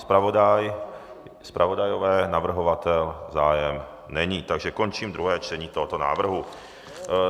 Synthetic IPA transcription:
spɾavodaj | spɾʔavo̞dajovɛːnavr̩ɦo̞vat̪ɛlzaːjɛm | nɛɲiːt̪aɡʒɛko̞nt͡ʃiːmd̪ɾuɦɛːt͡ʃt̪ɛɲiːt̪oɦot̪o̞na̰ːvr̩ɦu

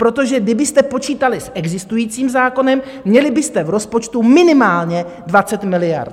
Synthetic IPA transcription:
pɾo̞t̪o̞ʒɛɡdɪbɪst̪ɛpo̞t͡ʃiːt̪alɪsʔɛɡzɪst̪ujiːt͡siːmzaːko̞nɛmːɲɛlɪbɪst̪ɛvɾo̞spot͡ʃt̪umɪnɪmaːlɲɛ | dvat͡sɛt̪mɪlɪja̰ɾt̪

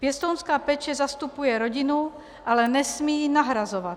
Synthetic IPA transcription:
pɪɛst̪ɔʊnskaːpɛt͡ʃɛzast̪upujɛɾɔɟinu | ʔalɛnɛsmiːnaɦɾazɔʋa

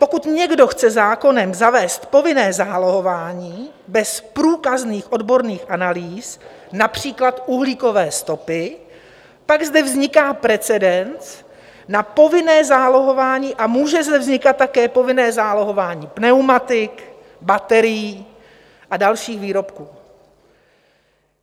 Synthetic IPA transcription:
po̞kut̪ɲɛɡdo̞xt͡sɛzaːko̞nɛmzavɛːst̪po̞vɪnɛːzaːloɦo̞vaːɲiː | bɛspɾuːkazniːxʔo̞dbo̞ɾniːxʔanaliːs | napr̝̥iːklat̪uɦliːko̞vɛːst̪o̞pɪ | paɡzdɛvzɲɪkaːpɾɛt͡sɛdɛnt͡s | napo̞vɪnɛːzaːlo̞ɦo̞vaːɲiːʔamuːʒɛzdɛvzɲɪkat̪̚ːakɛːpo̞vɪnɛːzaːlo̞ɦo̞vaːɲiːpnɛwmat̪ɪk | bat̪ɛɾɪjiː | ʔadalʃiːxviːɾo̞pkuː

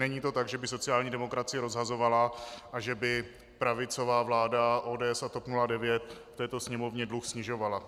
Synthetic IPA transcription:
nɛɲiːt̪o̞t̪aɡʒɛbɪso̞t͡sɪaːlɲiːdɛmo̞kɾat͡sɪjɛɾo̞zɦazo̞valaʔaʒɛbɪ | pɾavɪt͡so̞vaːvlaːdaʔo̞ːdɛːɛsat̪o̞pnuladɛvjɛt̪ft̪ɛːt̪o̞sɲɛmo̞vɲɛdluxsɲɪʒo̞vala

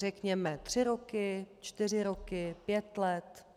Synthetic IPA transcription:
rɛkɲɛmɛt̪r̝̥ɪɾokɪt͡ʃt̪ɪr̝ɪɾokɪpjɛt̪lɛt̪

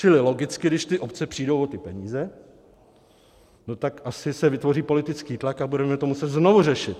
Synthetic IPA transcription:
t͡ʃɪlɪlo̞ɡɪt͡skɪdɪʃt̪ɪʔopt͡sɛpr̥iːdowot̪ɪpɛɲiːzɛ | no̞t̪akʔasɪsɛvɪt̪vo̞riːpo̞lɪt̪ɪt͡skiːt̪lakabudɛmɛt̪omusɛt̪znovurɛʃɪt̪

